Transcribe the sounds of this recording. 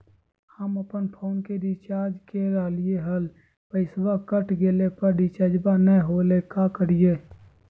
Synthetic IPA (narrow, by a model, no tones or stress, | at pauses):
həməpənpʰoːnkeɖit͡ʃaːɾd͡ʒkeɾaːlijeɦəl | pəɪswakəʈʰɡeːlepəɾɖit͡ʃad͡ʒbanəɦolekakəɽijeː